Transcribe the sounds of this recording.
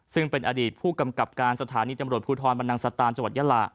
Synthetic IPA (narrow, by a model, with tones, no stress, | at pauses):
sɯ˥˩ŋpe˧nʔa̰ː˧diː˨˩t̪̚pʰuː˥˩ka˧mka˨˩p̚kaː˧nsa˧t̪ʰaː˩˦niː˧t̪a˧mɾu˨˩ət̪̚pʰuː˧t̪ʰɔː˧nba˧nda˧ŋsa˧t̪aː˧nt͡ɕa˧ŋwa˨˩t̪̚ja˧˥la̰ː˨˩ʔ